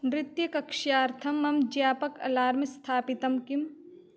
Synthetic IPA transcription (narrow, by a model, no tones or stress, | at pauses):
mɾɪt̪jɐkɐkʃjaːɾt̪ʰɐmːɐmd͡ʒjaːpɐkɐ̰laːɾmɐst̪ʰaːpit̪ɐmkim